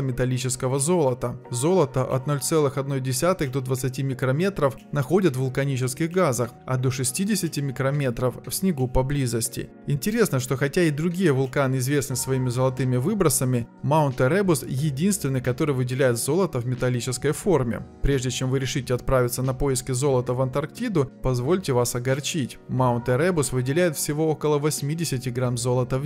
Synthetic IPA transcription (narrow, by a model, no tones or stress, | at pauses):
mʲɪt̪ɐlʲit͡ɕɪskəvəzo̞lˠət̪əzo̞lˠət̪əʔɐ̰t̪no̞lʲt̪sɛlˠɨxɐd̪no̞jdʲɪsʲat̪ɨɣd̪o̞d̪vət̪sɨtʲimʲɪkɾɐmʲe̞t̪ɾəfnɐxo̞dʲət̪vʊlˠkɐnʲit͡ɕɪskʲɪɣɡazəxɐ̰d̪o̞ʂɨsʲtʲidʲɪsʲɪtʲɪmʲɪkɾɐmʲe̞t̪ɾəffsʲnʲɪɡupɐblʲizəsʲtʲɪ̰ | ɪnʲtʲɪɾʲe̞snəʂt̪o̞xɐtʲaɪd̪ɾʊɡʲijəvʊlˠkanɨɪzvʲe̞snɨsvɐimʲɪzəlˠɐt̪ɨmʲɪvɨbɾəsəmʲɪmaʊnt̪ɨɾɛbʊsjɪdʲinst̪vʲɪnːɨjkɐt̪o̞ɾɨjvɨdʲɪlʲæjɪt̪zo̞lˠət̪əvmʲɪt̪ɐlʲit͡ɕɪskəjfo̞rmʲɪ̰pɾʲe̞ʐdʲɪt͡ɕe̞mvɨɾʲɪʂɨtʲɪɐt̪̚pɾavʲɪt̪sənɐpo̞jɪskʲɪzo̞lˠət̪əvɐnt̪ɐrk̚tʲid̪ʊpɐzvo̞lʲtʲɪvasɐɡɐrt͡ɕitʲmaʊnt̪ɾɛbʊsvɨdʲɪlʲæjɪt̪fsʲɪvo̞okəlˠəvɐsʲmʲidʲɪsʲɪtʲɪɡɾamzo̞lˠət̪əv